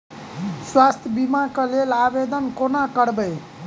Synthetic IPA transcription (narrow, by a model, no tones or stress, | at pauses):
swast̪ʰjəbimakəlelabed̪ənkonakəɽbəj